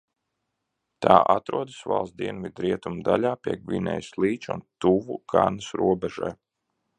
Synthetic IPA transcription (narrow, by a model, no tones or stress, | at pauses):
t̪aːʔat̪ɾuɔd̪ɨsva̰lˠs̚d̪iɛnvid̪ɾiɛt̪umd̪alaːpʲiɛɡvʲinɛ̰jslˠiːt͡ʃṵnt̪uvukʰaɾnəsɾuɔbɛʒa̰j